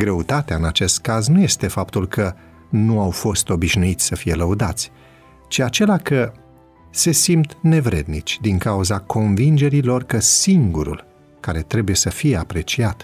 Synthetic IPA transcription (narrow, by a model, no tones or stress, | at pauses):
ɡɾe̞ut̪at̪eaɨnat͡ʃe̞st̪kaznuje̞st̪e̞fapt̪ulkə | nuawfo̞st̪o̞biʃnuit̪sʲsəfije̞ləud̪at̪sʲ | t͡ʃiat͡ʃe̞lakə | se̞simt̪ne̞vɾe̞̰d̪nit͡ʃʲd̪iŋkauzakʰo̞nvind͡ʒe̞ɾilo̞rkəsiŋɡuɾṵl | kaɾe̞t̪ɾe̞buje̞səfije̞apɾe̞t͡ʃiat̪